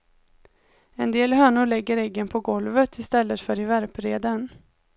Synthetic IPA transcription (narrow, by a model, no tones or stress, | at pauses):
ɛnd̪eːlhœːɳʊɭɛɡːəɾɛɡːənpʰɔɡɔlvət̪ʰɪst̪ɛlːət̪fœɾɪvæɾpɾeːd̪ən